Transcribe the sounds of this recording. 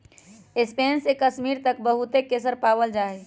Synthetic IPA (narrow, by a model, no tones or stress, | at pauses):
espeːnsekəsmiːɾt̪ək̚bəɦut̪ekesəɾpaːwəld͡ʒaːe